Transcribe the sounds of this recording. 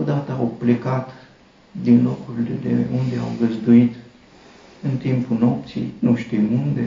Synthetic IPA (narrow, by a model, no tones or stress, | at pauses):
od̪at̪əawplekat̪ | d̪inlokɾuled̪ḛund̪e̞a̰wɡəzd̪uit̪ | ɨnt̪impuno̞pt̪sḭjnuʃt̪imund̪e